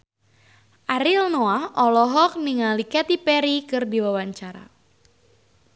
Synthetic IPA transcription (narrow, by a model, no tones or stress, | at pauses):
ʔaɾilnoaɔlɔɦɔk̚niŋalikat̪ipɛɾikɨrdiwawaɲt͡ʃaɾa̰